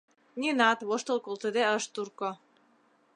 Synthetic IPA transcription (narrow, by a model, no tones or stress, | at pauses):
ninɑt̪βoʃt̪ɤlkolt̪əd̪eəʃt̪urko